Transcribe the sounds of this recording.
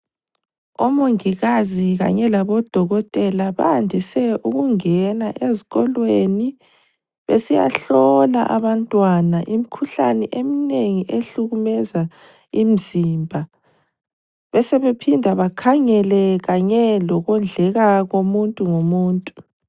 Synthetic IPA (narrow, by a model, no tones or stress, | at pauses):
omoŋiɣaziɣa̰ɲɛlaβɔd̥ʱɔɣɔtʼɛlaβa̰ːndʱisɛʔuɣuŋɛnaʔeziɣɔlweni | βḛsija̰ɬɔla̰ʔa̰βantʼwanaʔimikʰuɬa̰nɛʔemineŋiʔeɬuɣumɛza | im̩z̥imbʱa | βɛsɛβepʰindʱaβakʰaŋɛlɛɣaɲɛlɔɣɔnd͡ɮʱɛɣaɣomuntʼuŋomuːntʼu